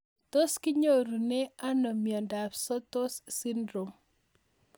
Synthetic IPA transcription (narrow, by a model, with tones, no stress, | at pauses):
to˦skɪ˦ɲo˦ɾu˨nɛ˦a˦nɔ˨mja˨nda˨psɔ˦t̪o˦ssi˦ndɾo˨m